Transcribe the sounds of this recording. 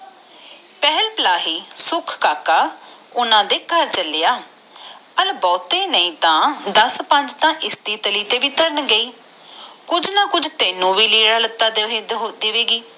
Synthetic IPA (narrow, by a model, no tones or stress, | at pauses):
pɛːɦəlpəlaːɦiːsʊkʰkaːkaː | ʊnãːd̪eːkəɾt͡ʃəlejaː | əlbɔːt̪eːnəĩːt̪ãːd̪əspə̃ɲd͡ʒt̪ãːʔɪst̪iːt̪əliːt̪eːʋiːt̪əɾənɡəiː | kʊd͡ʒnãːkʊd͡ʒt̪eːnːũːʋiːliːɽaːlət̪ːaːd̪eːd̪d̪eːʋeːɡiː